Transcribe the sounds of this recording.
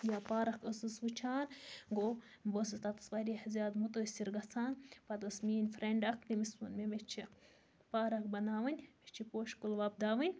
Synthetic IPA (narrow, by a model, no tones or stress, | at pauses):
jaːpaːɾɐkəsɨsʋut͡ʃʰaːnɡo | bosit̪ɐt̪ɐ̥sʋaɾihɐzʲaːd̪mut̪osiɾɡɐt͡sʰaːnpɐt̪ɐsmiːnʲfɾeɳɖɐkt̪imispunmemet͡ʃʰi | paːɾɐkbɐnaːʋɐnʲmet͡ʃʰipoːʃkulʋab̚d̪aːʋɐnʲ